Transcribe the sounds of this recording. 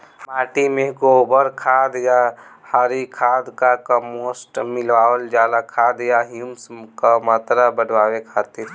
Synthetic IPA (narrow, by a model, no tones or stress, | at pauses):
maːʈimẽkoːbəɾkʰaːd̪jahaːɾikʰaːd̪kakəmoːsʈmɪlʋaːʋəld͡ʒaːlakʰaːd̪jaɦimskamaːt̪ɾabəɖʋaːʋekʰaːt̪ɪɾ